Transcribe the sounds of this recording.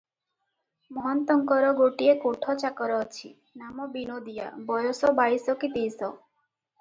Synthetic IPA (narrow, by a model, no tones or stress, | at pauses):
mɔɦɔnt̪ɔŋkɔɾɔɡoʈiekoʈʰɔt͡ʃakɔɾɔːt͡ʃʰḭ | namɔbinod̪ija̰bɔjosɔbaɽisɔkit̪ejsɔ